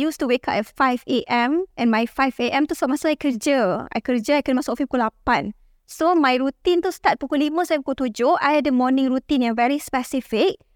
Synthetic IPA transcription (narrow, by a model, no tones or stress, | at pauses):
justuwekap̚ɛfajveʔɛ̃mʔɛ̃nmajfajfeʔɛ̃mt̪usɔmasəajkəd͡ʒəa̰jkəd͡ʒəajkɛ̃nmãsɔfipukulapãn | somajɹut̪ĩnt̪ustat̪̚pukoliməsapukot̪ud͡ʒoajɛdəmɔnĩŋɹut̪ĩnãmvɛɹispɛsifɪk̚